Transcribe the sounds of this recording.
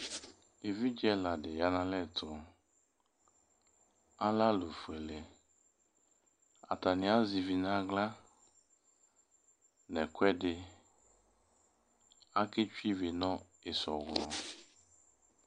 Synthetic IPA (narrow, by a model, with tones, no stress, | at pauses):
e˨vi˦d͡ʒɛ˦la˨dɪ˨ja˨˦nã˦lɛ˦˨tʰʊ˨ | a˦la˦lo˨fu˨ɛ˨le˨ | a̰˨ta˨nɪ̃˨a˦zi˨vi˨na˨˦ɡla˦ | nɛ˨kʷwɛ˦dɪ˨ | a˦kɪ˦t͡ʃi˦vi˨nɔ˦ | ɪ˨sɔ˨ɡlɔ˨